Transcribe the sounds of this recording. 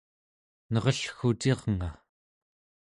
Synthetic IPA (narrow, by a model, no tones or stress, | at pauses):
nʌʁʌɬxut̪eʁŋa